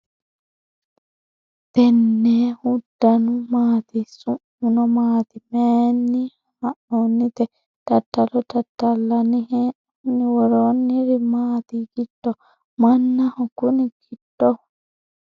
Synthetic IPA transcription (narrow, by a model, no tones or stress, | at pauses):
t̪ɛnːɛhudːanumaːt̪isuʔ | unɔmaːt̪imɛnːih | maʔonːit̪ɛ | tatːalɔtatːalːanihɛ | niwɔɾonːiɾimaːt̪iɡid̥ːɔ | manːahɔkuniɡid̥ːɔ